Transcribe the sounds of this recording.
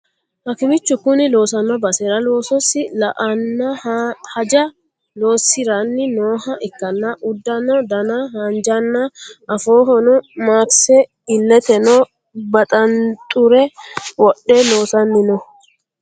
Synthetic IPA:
hɐkɪmɪt͡ʃːʊkʊnɪlo̞ːsɐnːɔbɐsɛɾɐlo̞ːsɔsːɪlʔɐnːɐhɐd͡ʒɐ | lo̞ːsɪɾɐnːɪnoːhɐʔɪkːɐnːɐʔʊd̪ːɐnɔd̪ɐnɐɦɐnd͡ʒɐnːɐʔɐfo̞ːɦɔnɔmaːksɛ | ɪlːɛt̪ɛnɔ | bɐt̪ʼɐnt̪ʼʊɾɛwɔɗːɛlo̞ːsɐnːɪnɔ

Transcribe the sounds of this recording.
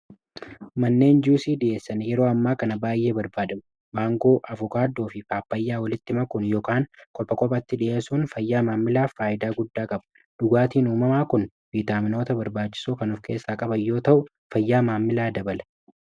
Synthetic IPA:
mɐnːe̞ːnd͡ʒuːsiːd̪ɪʔeːsːɐnjɛɾo̞ːɐmːaːkɐnɐbaːjːe̞ːbɐɾbaːd̪ɐmʊ | baːŋɡo̞ːʔɐvɔkaːd̪ːo̞ːfɪfaːpːɐjːaːwɐlɪt̪ːɪmɐkʊnjoːkaːnkʼɔpːɐkʼɔpʼɐt̪ːɪᶑɪʔeːsuːnfɐjːaːmaːmːɪlaːfːaːʔɪd̪aːɡʊd̪ːaːkʼɐbɐ̥ | d̪̥ʊɡaːt̪iːnuːmɐmaːkʊn | viːt̪aːmɪno̞ːt̪ɐbɐɾbaːt͡ʃːɪ̥suːkɐnʊfkʰe̞ːsːaːkʼɐbɐjːo̞ːt̪ɐʔʊ | fɐjːaːmaːmːɪlaːd̪ɐbɐlɛ

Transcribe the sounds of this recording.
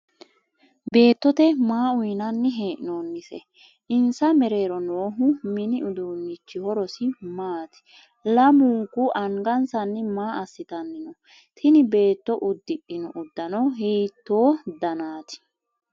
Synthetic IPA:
be̞ːt̪ːɔt̪ɛmaːʊjnɐnːɪɦe̞ːʔɪnoːnːɪsɛ̰ | ʔɪnsɐmɛɾe̞ːɾɔno̞ːɦʊmɪnɪʊd̪uːnːɪt͡ʃːɪhɔɾɔsɪmaːt̪ɪ̥ | lɐmuŋkʊʔɐŋɡɐnsɐnːɪmaːɐsːɪt̪ɐnːɪnɔ | t̪ʰɪnɪbe̞ːt̪ːɔʔʊd̪ːɪʔɪnɔʔʊd̪ːɐnɔɦeːt̪ːoːd̪ɐnaːt̪ɪ̥

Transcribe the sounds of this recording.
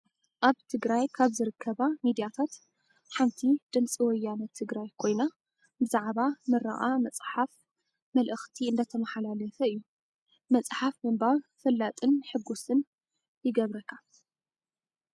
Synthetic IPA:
ʔaβt̪ʰɨɡɾajkʰaβzɨɾɨkʰːɐβamid̪ijat̪ʰat̪ | ħant̪ʰid̪̥ɨnt͡sʼiwɔjːanɐt̪ʰːɨɡɾajkʰo̞jna | bɨzaʕβamɨɾa̰ʔamɐt͡sʼħaf | mɐlʔɨxt̪ʰiɨnd̪ɐt̪ʰɐmɐħalalɐfɐɨjːu | mɐt͡sʼħafmɨmbaβfɨlːat̪ʼɨnħɨɡːusɨn | jɪɡɐβɾɐkʰːa

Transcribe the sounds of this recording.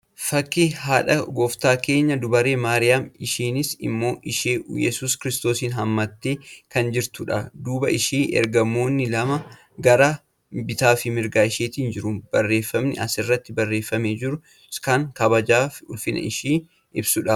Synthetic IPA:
fɐkːɪhaːᶑɐɡoːft̪aːke̞ːɲːɐd̪ʊbɐɾe̞ːmaːɾɪjaːmɪʃiːnɪsɪ̰mːo̞ːʔɪʃeːʔjɛ̰suːskɪɾɪst̪oːsiːnɦɐmːɐt̪ːeːkɐnd͡ʒɪɾt̪ʊᶑɐ̰d̪uːbɐɪʃiːʔɛ̰ɾɡɐmːo̞ːnːɪlɐmɐ | ɡɐɾa | bɪt̪aːfɪmɪɾɡaːɪʃeːt̪iːnd͡ʒɪɾʊb̥ɐrːe̞ːfːɐmnɪʔɐsɪrːɐt̪ːɪbɐrːe̞ːfːɐmeːd͡ʒɪɾʊ | kɐŋkɐbɐd͡ʒaːfʊlfɪnɐ̰ɪʃiː | ʔɪbsʊᶑɐ

